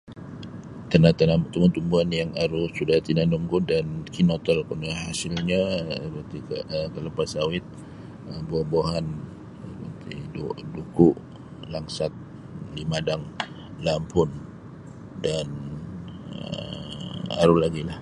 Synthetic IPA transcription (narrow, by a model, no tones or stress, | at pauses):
t̪ənat̪ənamt̪əmat̪umbuanjaŋaɾusudaht̪inanuŋkudankinot̪əlkunahasɪlɲapət̪ikəəkələpasawɪt̪̚ | əboboɦan | əpə̰t̪ḭdudukuʔ | laŋsat̪̚ | limadaŋ | lampʰʊn | dan | ə | a̰ɾulaɡilah